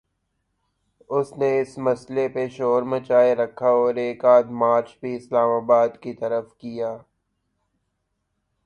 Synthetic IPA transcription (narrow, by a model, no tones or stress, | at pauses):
ʊsneɪsmɐslepeʃoːɾmɐt͡ʃaːeɾɐkʰːaɔːɾeːkaːt̪maːɾt͡ʃbʱiɪslaːmaːbaːd̪kit̪ɐɾəfkijaː